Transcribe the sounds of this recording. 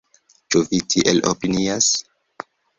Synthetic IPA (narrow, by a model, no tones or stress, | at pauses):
t͡ʃuvitʰiʔelo̰pinias